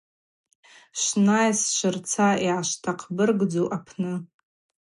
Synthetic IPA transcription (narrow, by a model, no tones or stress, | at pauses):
ʃʷnajsʃʷɨrt͡sʰaiʕaʃtʰaqʰbɨrɡd͡zoʔapʰnɨ